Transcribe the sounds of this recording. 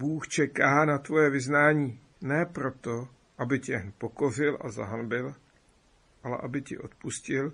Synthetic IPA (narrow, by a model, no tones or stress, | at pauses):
buːxt͡ʃɛkaːnat̪vo̞jɛvɪznaːɲiː | nɛːpɾo̞t̪o̞ | ʔabɪcɛnpo̞ko̞r̝ɪlʔa̰za̰ɦanbɪl | ʔalɛ̰ʔabɪcɪ̰ʔo̞t̪̚puscɪl